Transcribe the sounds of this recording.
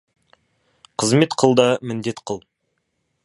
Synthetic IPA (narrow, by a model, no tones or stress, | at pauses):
qʰəzme̞t̪qʰəlˠd̪ɑmɪnd̪e̞t̪qʰəlˠ